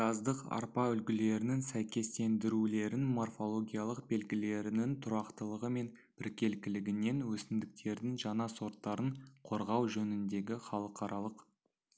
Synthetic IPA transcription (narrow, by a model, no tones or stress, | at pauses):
ʒɑzd̪əqɑ̰ɾpɑʏlɡʲɪle̞ɾɪnɪnsæjkʲe̞st̪e̞nd̪ɪɾule̞ɾɪnmo̞rfo̞lˠo̞ɡʲijalˠəqbe̞lɡʲɪle̞ɾɪnɪnt̪ʰʊɾɑqt̪əlˠəʁəme̞n | b̥ɪɾkʲe̞lkʲɪlɪɡʲɪne̞nwɵsɪnd̪ɪk̚t̪ʰe̞ɾd̪ɪŋʒɑɴɑso̞ɾt̪ːɑɾəɴqʰo̞ɾʁɑwʒɵnɪnd̪e̞ɡʲɪχɑlˠəqɑɾʔɑlˠəq